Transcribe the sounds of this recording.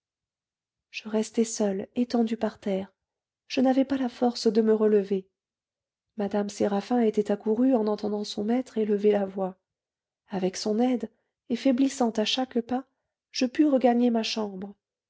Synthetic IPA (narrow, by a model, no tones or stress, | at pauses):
ʒ̥əʁɛst̪ɛsœlet̪ɑ̃d̪ypaʁt̪ɛʁ | ʒ̥ənavɛpalafɔʁsd̪əməʁələve | mad̪amseʁafɛ̃et̪ɛt̪akuʁyɑ̃nɑ̃t̪ɑ̃d̪ɑ̃sɔ̃mɛt̪χeləvelavwa | avɛksɔ̃nɛd̪ | efɛblisɑ̃t̪aʃakpa | ʒ̥əpyʁəɡaɲemaʃɑ̃bʁə